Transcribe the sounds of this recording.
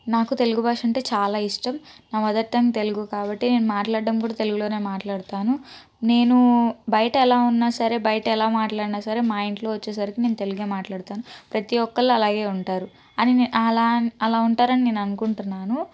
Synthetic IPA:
naːkut̪e̞luɡubaːʂɐɳʈe̞ːt͡ʃaːlaːiʂʈɐmnaːʋɐd̪ɐɾt̪ːɐŋit̪e̞luɡukaːbɐʈːine̞ːnumaːʈlaːɽɖɐmkuːɽaːt̪e̞luɡulo̞ːne̞ːmaːʈlaːɽut̪aːnu | ne̞ːnubɐjɐʈɐɛlaːunːaːsɐɾe̞ːbɐjɐʈɐɛlaːmaːʈlaːɽinaːsɐɾe̞ːmaːjiɳʈlo̞ːʋɐt͡ʃːeːs̬ɐɾikine̞ːnut̪e̞luɡeːmaːʈlaːɽut̪aːnupɾɐt̪iʋɔkːɐɭːoɐlaːɡe̞ːuɳʈaːɾu | ɐniɐlaːɐlaːuɳʈaːɾɐnine̞ːnɐnukuɳʈunːaːnu

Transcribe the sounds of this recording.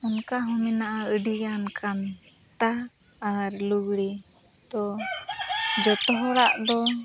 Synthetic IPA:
unkaɦɔmɛnaʔaəɖijankʰan | t̪aː | ɾluɡɽi | t̪ɔ | d͡ʒɔt̪ɔɦɔɽaʔd̪ɔ

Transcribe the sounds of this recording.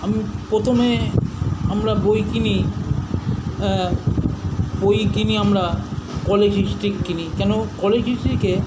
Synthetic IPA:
amipɾot̪ʰome | amɾabojkini | bojkiniamɾakɔled͡ʑisʈɾikːinikɛnokɔled͡ʑisʈɾike

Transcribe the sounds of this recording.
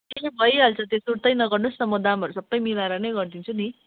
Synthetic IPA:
kelebʱʌjɦalt͡sʰʌt̪esuɽt̪ʌjnʌɡʌrnosʌmod̪amʌɾusʌbːʌjmilaɾʌnʌjɡʌrd̪int͡sʰuni

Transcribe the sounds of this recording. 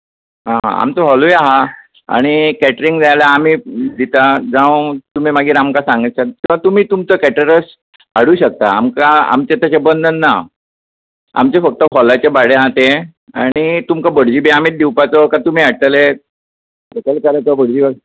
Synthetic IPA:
ɦã̰a̰mt͡s̪əɦɔlojaɦa | a̰ɽ̃ikɛʈəɾiŋɡd͡zajlaːmiːd̪it̪ad͡zãʋ̃t̪um̤imaɡiːɾamkasãŋɡət͡ɕakiʋat̪um̤iːt̪umt͡səkɛʈəɾəs | aɽuːɕək̚t̪aamkaa̰mt͡ɕet̪at͡ɕabənd̪ʱənːa | a̰mt͡ɕefək̚t̪əɦɔlat͡ɕabaɽẽɦat̪e | aɽ̃it̪umkabəɽd͡ʑibeamiːt̪̚d̪iwpat͡sɔkat̪um̤iːaɽt̪əle | ekəlkaɾət̪əbəɽd͡ʑiba

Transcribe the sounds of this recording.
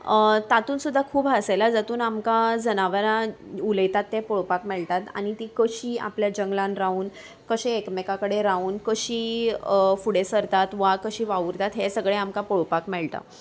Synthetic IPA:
t̪at̪uːnsud̪ʱːakʰuːbɦəselad͡zat̪uːnamkad͡zənaʋəɾãuləjt̪at̪ːẽpoɭpakmɛɭt̪at̪a̰ɽ̃it̪iːkəɕiːa̰pljad͡ʑəŋɡlãnɾauːn | kəɕeːkmekãkəɽeɾauːnkəɕiː | fuɽesəɾt̪at̪ʋakəɕiːʋaʋuɾt̪at̪ɦesəɡɭeamkapoɭpakmɛɭt̪a̰

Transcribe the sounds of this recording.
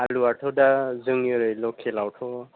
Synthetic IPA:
aluaʈʰɔdazɯŋjɔɾɯjlɔkʰelawʈʰɔ

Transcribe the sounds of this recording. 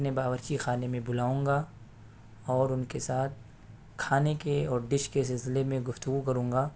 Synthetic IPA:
nebaːʋəɾt͡ʃixaːnemẽbʊlaːũːŋɡa | ɔːɾʊnkesaːt̪̚ʰ | kʰaːnekeɔːɾɖɪʃkes̬ɪlsɪlemẽɡʊft̪ʊɡukɐɾũːŋ̆ɡaː

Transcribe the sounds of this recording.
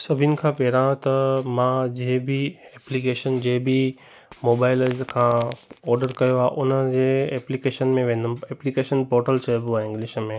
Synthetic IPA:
sɐbʱɪnɪ̆kʰãːpɛːɾãːt̪ɐmãːd͡ʑeɦbʱiɛːplikeːʃənd͡ʑeːbʱi | moːbaːɪlkʰãːɔːɾɖəɾkɐjoaʔʊnəd͡ʑeːɛːplikeːʃənmẽʋẽːn̆d̪ʊmɛːplikeːʃənpɔːɾʈəlt͡ɕʰɐobũaɪ̃ŋɡlɪʃmẽ

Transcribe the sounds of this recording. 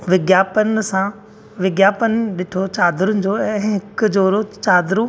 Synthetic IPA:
ʋɪɡjaːpənɪ̆sã | ʋɪɡjaːpənɪɗɪʈʰot͡ɕaːd̪ɾʊnɪ̆d͡ʑoːɛ̃ːɦɪkʊd͡ʑoːɾot͡ɕaːd̪ɾũ

